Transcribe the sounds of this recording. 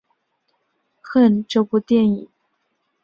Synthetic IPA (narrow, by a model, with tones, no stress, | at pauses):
xə˥˧˩nʈ͡ʂo˥˧ʊpu˥˧t̪jɛ˥˩ni˨˩˦n